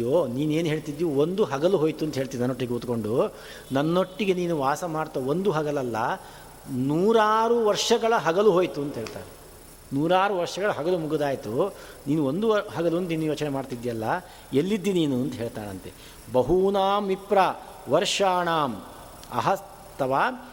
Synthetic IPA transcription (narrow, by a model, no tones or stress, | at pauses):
joːniːneːnuɦeːɭt̪id̪juond̪uɦɐɡɐluɦoːjt̪uɐnt̪ɐɦeːɭt̪iinɐnːo̞ʈːiɡeuːt̪ko̞ɳɖu | nɐnːo̞ʈːiɡe̞niːnuʋaːsɐmaːɽt̪aond̪uɦɐɡɐlɐlːɐ | nuːɾaːɾuʋɐɾʂɐɡɐɭɐɦɐɡɐluɦoːjt̪uɐnt̪ɐɦeːɭt̪a̰ːɾe | nuːɾaːɾuʋɐɾʂɐɡɐɭɐɦɐɡɐlumuɡud̪aːjt̪u | niːnuond̪uɦɐɡɐluɐnt̪ɐiːnujoːt͡ʃɐnemaːɖt̪id̪jɐlːɐ | elːid̪ːiniːnuɐnt̪ɐɦe̞ːɭt̪aːnɐnt̪e | bɐɦunaːmipɾa | ʋɐɾʂaːɳaːm | ɐ̰ɦɐs | t̪ːɐʋaː